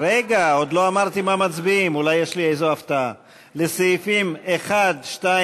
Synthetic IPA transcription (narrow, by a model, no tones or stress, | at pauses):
ɾeɡao̞d̪lo̞amaʁt̪imamat͡sbiːmulajːeʃliejzoaft̪aa | le̞seifimeχad̪ʃta